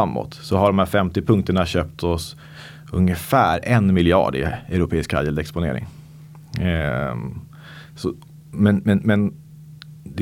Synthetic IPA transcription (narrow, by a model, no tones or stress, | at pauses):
amːɔ̰t̪sɔɦaɖɔmhæːɾfɛmt̪ɪpʰɵŋk̚t̪əɳaɕøːp̚t̪ʰɔs | ɵŋəfæːɾɛnmɪlɪɑ̰ːɖɪ̰ɛɾʊpʰeːɪskha̰jəld̪ɛkspʊnḛːɾɪ̰ŋ | sɔ | mɛnmɛnmɛn | d̪ɛ